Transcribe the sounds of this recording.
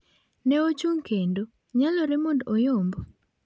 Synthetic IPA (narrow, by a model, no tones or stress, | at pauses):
nɛot͡ʃuŋkendo | ɲalɔɾɛmondojombo